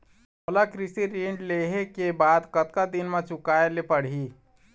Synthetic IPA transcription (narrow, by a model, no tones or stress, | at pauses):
molakɾɪsiɾiɳɖleɦekebaːd̪kət̪̚kad̪inmãt͡ʃʊkaelepəɽ̤i